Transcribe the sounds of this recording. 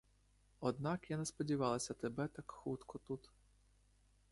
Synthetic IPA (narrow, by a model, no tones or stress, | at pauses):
ɔd̪nɑkjanespɔdʲiʋɑlˠɐsʲɐt̪ebɛt̪ɑkxut̪kɔt̪ut̪